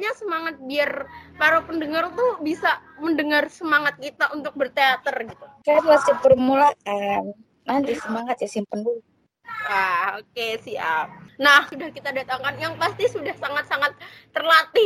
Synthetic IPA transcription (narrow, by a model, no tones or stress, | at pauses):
ɲasəmaŋat̪̚biarpaɾopəndəŋart̪ubisaməndəŋarsəmaŋat̪̚kit̪aunt̪ʊk̚bərt̪eat̪ərɡit̪ukajaplat͡ʃəpərmulakan | nant̪isəmaŋat̪̚jasimpəndu | wahokesia̰nahsudahkit̪adat̪aŋkanjaŋpast̪isudahsaŋat̪̚saŋat̪̚ːərlat̪i